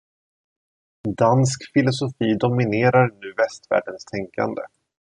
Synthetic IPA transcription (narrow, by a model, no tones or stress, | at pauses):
d̪anskfɪlʊsʊfiːd̪ɔmɪneːɾaɾnʉ̟ːvɛst̪væ̰ːɖənst̪ʰɛŋka̰nd̪ə